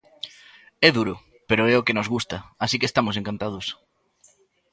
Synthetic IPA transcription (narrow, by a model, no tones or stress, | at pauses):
ɛðuɾʊ | peɾoɛokenozɣust̪ɐasikeːst̪amʊseŋkant̪að̞ʊs